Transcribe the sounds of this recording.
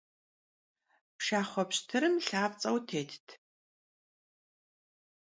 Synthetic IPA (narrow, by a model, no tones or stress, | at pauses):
pʃaːχʷɔpɕtʰɨɾɨmɬaːpt͡sʼɐwtʰeːtʰtʰ